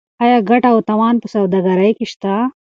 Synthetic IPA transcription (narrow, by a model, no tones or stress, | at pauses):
ɐjaɡɐʈɐut̪ɐwaːnpusɐwd̪ɐɡɐɾɐjkiʃt̪a